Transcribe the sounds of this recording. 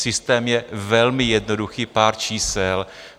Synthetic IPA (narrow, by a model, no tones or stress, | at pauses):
sɪst̪ɛːmjɛvɛlmɪjɛdnoduxiːpaːɾt͡ʃiːsɛl